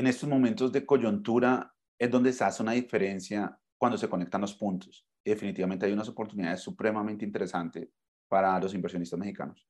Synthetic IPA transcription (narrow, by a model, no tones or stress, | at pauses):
ene̞st̪o̞zmo̞mẽnt̪ozd̪e̞ko̞ʝunt̪uɾa | e̞zd̪o̞nd̪e̞seaseunaðife̞ɾe̞nsja | kwand̪o̞s̬e̞ko̞ne̞k̚t̪anlo̞spunt̪o̥s | iðe̞finit̪iβament̪eajunas̬o̞po̞ɾt̪uniðaðesːupɾe̞mament̪eint̪eɾe̞sant̪e̞s | paɾalo̞s̬imbeɾsjo̞nist̪azme̞xçika̰nos